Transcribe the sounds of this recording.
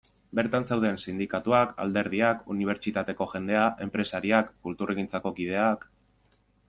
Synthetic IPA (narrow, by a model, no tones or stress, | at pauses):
be̞ɾt̪ansewð̞ensind̪ikat̪uaka̰ld̪e̞ɾð̞iakṵniβ̞e̞ɾt͡ʃit̪at̪e̞ko̞ʝe̞nd̪e̞aʔe̞mpɾe̞saɾiakːult̪urʔeɣint͡sako̞kið̞e̞ak